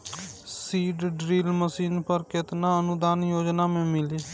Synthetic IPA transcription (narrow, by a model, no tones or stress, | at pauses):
siːɖɖɾiːlməsiːnpəɾkɪt̪nãːənʊd̪aːnjoːd͡ʒnaːmẽːmɪliː